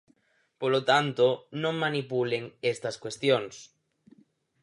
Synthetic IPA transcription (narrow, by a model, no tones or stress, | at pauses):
polot̪ant̪onõŋmanipuleŋest̪ɐskwest̪joŋs